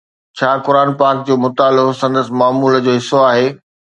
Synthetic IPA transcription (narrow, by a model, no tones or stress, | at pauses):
t͡ɕʰaːkʊɾaːnpaːɾk̚d͡ʑoːmʊt̪aːlbsɐ̃nd̪əsɪ̆maːmuːld͡ʑoːɦɪsːoaːɦeː